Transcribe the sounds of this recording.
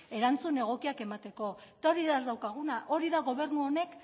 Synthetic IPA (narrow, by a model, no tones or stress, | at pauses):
e̞ɾant͡sune̞ɣ̞o̞kiake̞mat̪e̞ko̞et̪aoɾiðazd̪awkaɣ̞unaʔo̞ɾiðaɣo̞β̞e̞ɾnuo̞ne̞k